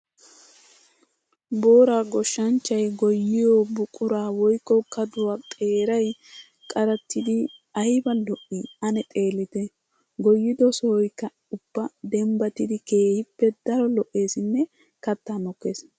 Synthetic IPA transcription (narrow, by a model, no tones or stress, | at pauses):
bo̞ːɾaːɡɔʃːɐnt͡ʃːɐjɡɔjːɪjobʊkʼʊɾaːwɔjkːɔkɐd̪ʊwat̪ʼe̞ːɾɐj | kʼɐɾɐt̪ːɪd̪ɪɐjbɐlɔʔːiɐnɛt̪ʼe̞ːlːɪt̪ɛ | ɡɔjːɪd̪ɔsɔwɔjkːɐ | ʊb̥ːɐd̪ɛmbɐt̪ɪd̪ɪke̞ːhɪpːɛd̪ɐɾɔlɔʔːe̞ːsɪnːɛ | kɐt̪ːaːnɔkːe̞ːs